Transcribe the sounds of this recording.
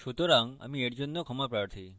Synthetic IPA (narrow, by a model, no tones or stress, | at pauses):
ʃot̪oɾaŋɡa̰mĩeʈd͡ʒonːokʰɔmapɾaɽt̪ʰi